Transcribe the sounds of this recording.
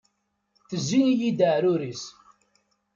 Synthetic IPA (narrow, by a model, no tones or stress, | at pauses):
θəzːinijid̪əʕɾuɾis